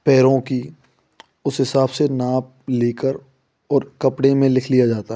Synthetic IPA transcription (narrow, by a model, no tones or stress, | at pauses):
pɛːɾõki | ʊsɦɪsaːbsenaːp̚leːkəɾ | ɔːɾkɐpɽẽmẽlɪkʰlijad͡ʒaːt̪aɦ